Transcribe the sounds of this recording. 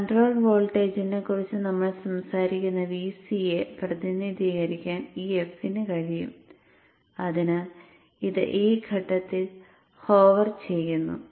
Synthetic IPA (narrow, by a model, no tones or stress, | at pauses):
kɐɳʈro̞ːɭʋo̞ːɭʈe̞ːd͡ʑinekːurit͡ɕːɨnɐmːɐɭsɐmsaːɾikʲːunːɐʋiːsijeprɐt̪inid̪ʱiːɣɐɾikʲːaːniːefsinɨkɐɻijṵm | ɐðinɨ | iðɨ̰ʔiːɡʰʱɐʈːɐt̪ːil | ho̞ːʋɐrt͡ɕe̞jːunːṵ